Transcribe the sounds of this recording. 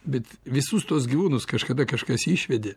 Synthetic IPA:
bʲɛt̪ʋʲɪsʊst̪uɔsɡʲiʋuːnʊskɐʃkɐd̪ɐkɐʃkɐsiːʃʲʋʲɛd̪ʲɪ

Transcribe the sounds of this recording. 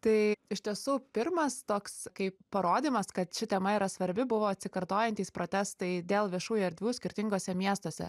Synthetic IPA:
t̪ɐɪɪʃʲt̪ʲiɛsuːpʲɪrmɐst̪oːkskɐɪppɐɾoːd̪ʲiːmɐskɐt̪ʃʲɪt̪ʲɛmɐiːɾɐsʋɐɾʲbʲɪbʊʋoːɐt̪ʲsʲɪkɐɾt̪oːjɛnʲt̪ʲiːspɾoːt̪ʲæst̪ɐɪd̪ʲeːlˠʋʲiɛʃuːjɐɾd̪ʲʋʲuːsʲkʲɪɾʲt̪ʲɪŋɡoːsʲɛmʲiɛst̪oːsʲɛ̰

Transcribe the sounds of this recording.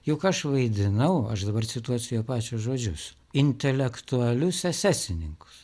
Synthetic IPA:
jʊkɐʃʋɐɪd̪ʲɪnɐʊɐʃd̪ɐbɐrt͡ssʲɪt̪uɔt͡sʲɪjuːpɑːt͡ʃʲʊsʒoːd͡ʒʲʊs | ɪnʲt̪ʲɛlʲɛkt̪ʊɐlʲʊsɛsʲæːsʲɪnʲɪŋkʊ̥ss

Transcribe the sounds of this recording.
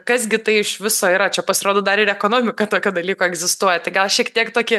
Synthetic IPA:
kɐzɡʲɪt̪ɐɪɪʃʋʲɪsoːiːɾɐt͡ʃʲɛpɐsʲɪɾoːd̪oːd̪ɐɾɪɾɛkoːnoːmʲɪkɐt̪oːkʲod̪ɐlʲiːkoːɛɡzʲɪst̪uɔjɛt̪ɐɪɡɐlˠʃʲiɛkt̪ʲiɛkt̪oːkʲɪ

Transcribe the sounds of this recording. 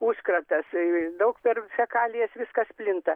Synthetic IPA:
uːskrɐt̪ɐsd̪ɐʊkpʲɛrfʲɛkɑːlʲɪjɛsʋʲɪskɐsʲpʲlʲɪnt̪ɐ

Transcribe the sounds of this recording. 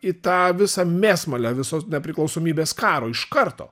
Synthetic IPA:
ɪt̪ɑːʋʲɪsɐmʲeːsmɐlʲɛːʋʲɪsoːsnʲɛpʲɾʲɪklˠɒʊsoːmʲiːbʲeːskɑːɾoːɪʃkɐɾt̪o̰ː

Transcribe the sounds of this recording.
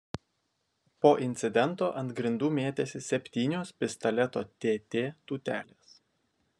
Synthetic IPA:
poːʔɪnʲt̪sʲɪd̪ʲɛnˑt̪oːʔɐ̃nd̪ɡɾʲɪnd̪uːmʲeːt̪ʲesʲɪsʲɛpʲt̪ʲiːnʲoːspʲɪst̪ɐlʲɛt̪oːt̪ʲeːt̪ʲeːt̪uːt̪ʲæːlʲeːs

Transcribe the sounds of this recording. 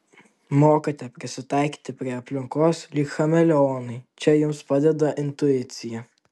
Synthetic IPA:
moːkɐt̪ʲɛpʲɾʲɪsʲɪt̪ɑˑɪkʲi̥ːt̪ʲɪpʲɾʲiɛɐpʲlʲɪŋkoːslʲiːkxɐmʲɛlʲoːnɐɪt͡ʃʲɛjʊmspɑd̪ʲɛd̪ɐʔɪnt̪ʊɪt̪sʲɪjɛ

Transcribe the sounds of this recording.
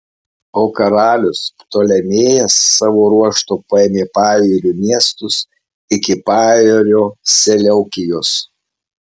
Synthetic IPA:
oːkɐɾɑːlʲʊst̪oːlʲɛmʲeːjɛsːɑːʋoːɾuɔʃt̪oːpɐɛmʲeːpɑːjʲeːɾʲuːmʲiɛst̪ʊs | ɪkʲɪpɑːjeːɾʲoːsʲɛlʲɛʊkʲɪjos

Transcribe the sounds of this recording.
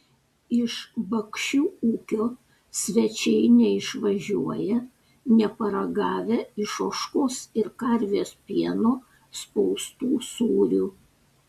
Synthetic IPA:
ɪʃbɐkʃʲuːuːkʲoː | sʲʋʲɛt͡ʃʲɛɪnʲɛɪʃʋɐʒʲuɔjɛ | nʲɛpɐɾɐɡɑːʋʲɛɪʃoːʃkoːsɪɾkɐɾʲʋʲeːspʲiɛnoː | spɔʊst̪uːsuːɾʲuː

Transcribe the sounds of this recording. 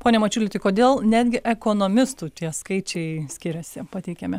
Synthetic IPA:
poːnʲɛmɐt͡ʃʲuːlʲɪt̪ʲɪkoːd̪ʲeːlˠnʲæːd̪ʲɡʲɪʔɛkoːnoːmʲɪst̪uːt̪ʲiɛskɐɪt͡ʃʲɛɪsʲkʲɪɾʲɛsʲɪpɐt̪ʲɛɪkʲɛmʲɛ

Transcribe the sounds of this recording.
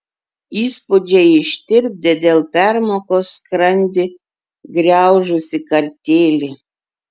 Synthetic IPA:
iːspʊd͡ʒʲɛɪʃʲt̪ʲɪɾʲp̚ʲd̪ʲɛd̪ʲeːlˠpʲæɾmoːkoːskɾɐnʲd̪ʲɪ | ɡɾʲæˑʊʒʊsʲɪkɐɾʲt̪ʲeːlʲɪ

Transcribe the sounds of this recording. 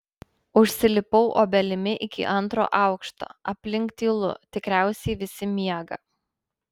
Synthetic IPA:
ʊʃʲsʲɪlʲɪpɔʊʔo̰ːbʲɛlʲɪmʲɪʔɪkʲɪ̰ʔɐnˑt̪ɾo̰ːʔɑʊkʃt̪o̰ːɐpʲlʲɪŋˑkt̪ʲiːlˠʊ̰t̪ʲɪkɾʲæˑʊsʲɛɪʋʲɪsʲɪmʲiɛɡɐ̰

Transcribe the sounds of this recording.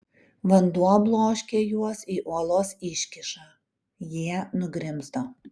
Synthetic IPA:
ʋɐnd̪uɔblˠoːʃʲkʲeːjuɔsiːʔuɔlˠoːsɪʃʲkʲɪʃɑː | jiɛnʊɡɾʲɪmzd̪oː

